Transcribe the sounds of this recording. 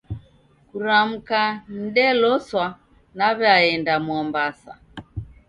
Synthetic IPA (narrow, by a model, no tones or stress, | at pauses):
kuɾam̩kan̩ɗɛlɔswa | naβɛaɛndamwɔmbasa̰